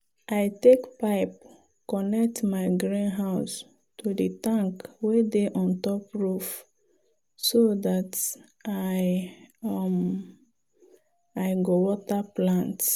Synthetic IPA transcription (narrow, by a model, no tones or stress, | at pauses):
ʔaɪtekpaɪp̚ | kɔnɛk̚tmaɪɡɹãnɦaʊs | tudətãŋkwedeʔɔ̃ntɔpɹuf | sodat | aj | m | aɪɡowɔtaplãnt